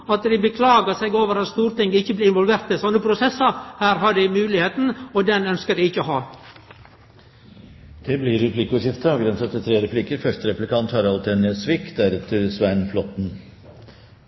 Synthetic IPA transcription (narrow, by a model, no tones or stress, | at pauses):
ɑt̪d̪ɪbəkʰlɑːɡəsɛɪɡoːʋəɾɑt̪st̪uːɾt̪ɪŋɡəɪçːəblɪɪnʋɔlʋeːɾt̪ɪsɔnːəpʰɾʊsɛsəhæːɾɦɑɖɪɪmʉːlɪheːt̪n̩ɔd̪ɛnœnskəd̪ɪɪçːəɔɦɑː | d̪̥ɛblɪɾɛpʰlɪkːəɔjɪft̪əɑːʋɡɾɛnsət̪ʰət̪ʰɾeːɾɛpʰlɪkːəɾfœʂt̪əɾɛplɪkʰɑnt̪hɑːɾɑlt̪ʰenɪəsʋɪkd̪æɾɛt̪ʰəsʋæɳflɔt̪n̩